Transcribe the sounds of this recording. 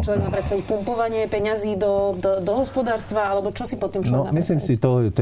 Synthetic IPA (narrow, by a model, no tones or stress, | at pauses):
t͡ʃlɔʋɛɡmaːpɾɛt̪st̪aʋicpumpɔʋaɲɪɛpɛɲaziːd̪ɔd̪ɔd̪ɔɦɔspɔd̪aːɾst̪ʋaalɛbɔt͡ʃɔsipɔt̪ːiːmt͡ʃlnɔmisliːmsit̪ɔɛt̪